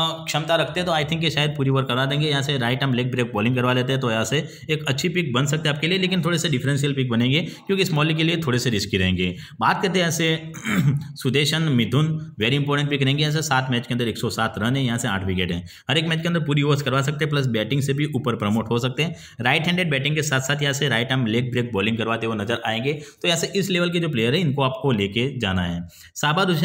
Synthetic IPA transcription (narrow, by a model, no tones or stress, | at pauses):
kʃɐmt̪aɾɐkʰt̪ẽɦɛ̃t̪oaːɪt̪ʰɪ̃ŋkːeʃaːjəd̪̚puːɾiʋəɾkːɐɾʋad̪ẽːŋɡejɐɦãseɾaːɪʈɦɐmleːk̚bɾeːk̚bɔːlɪ̃ŋkɐɾʋaleːt̪eɦɛ̃t̪ojɐɦãseː | kɐtːʃʰipik̚bɐnsɐk̚t̪ẽaːp̚kelieleːkɪnt̪ʰoːɽeseɖɪfʰɾɛ̃nsijəlpik̚bɐnẽːŋɡeːkjõːkiɪsmɔːlik̬eliet̪ʰoːɽeseɾɪskiɾɐɦẽːŋɡeː | baːt̪̚kɐɾt̪eɛːse | sʊd̪eːʃənmɪd̪ʱʊnʋɛːɾiɪ̃mpɔːɾʈə̃ɳʈ̚bikɐɾẽːŋɡej̃ːs̬esaːt̪ʰmɛːt͡ʃkeɐ̃nd̪əɾeːksɔsaːt̪ʰɾɐnɦɛ̃jɐɦãːsea̰ːʈʰʋɪkeːʈɦɛ̰̃ː | ɦɐɾeːkmɛːt͡ʃkeɐnd̪əɾpuːɾioːɾskɐɾʋaːs̬ɐk̚t̪eɦɛ̃p̬lɐs̬bɛːʈɪ̃ŋɡsebʱiʔupəɾpɾɐmoːʈɦosɐk̚t̪eɦɛ̃ | ɾaːɪʈɦɛ̃ːɳɖeːɖbɛːʈɪ̃ŋkesaːt̪ʰsaːt̪jɐɦãseɾaːɪʈə̃mleːk̚bɾeːk̚bɔːlɪ̃ŋɡkɐɾʋaːt̪eɦʋonɐzəɾaːẽːŋɡet̪ojɐɦãseʔɪsleːʋəlk̬ed͡ʒoːpleːjəɾɦɛɪnkoaːp̚koleːked͡ʒa̰ːnaɦɛː | saːbʱaɾʊʃ